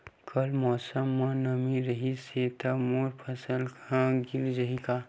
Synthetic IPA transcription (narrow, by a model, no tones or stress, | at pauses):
kʰɐlmɔːsəmːãnəmiɾəɦiset̪amoːɾpʰɐsəlkʰãɡɪɾd͡ʒəɦika